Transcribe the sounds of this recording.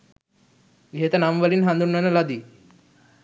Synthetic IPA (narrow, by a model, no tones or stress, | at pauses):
ɡɦet̪anamʋəliːnɦãnd̪unːənəlad̪iː